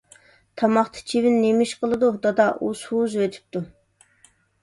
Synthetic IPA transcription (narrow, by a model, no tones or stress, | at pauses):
t̪ʰɑmɑχt̪ʰɨ̥t͡ʃʰivɪnːemiʃqʰəlˠɨd̪ud̪ɑd̪ɑʔushuzwøt̪ʰɪ̥p̚t̪u